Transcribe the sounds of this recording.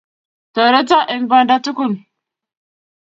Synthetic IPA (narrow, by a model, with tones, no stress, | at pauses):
to˨ɾe˦t͡sa˦ʔi˨nba˦nda˦tu˦ku˦˨n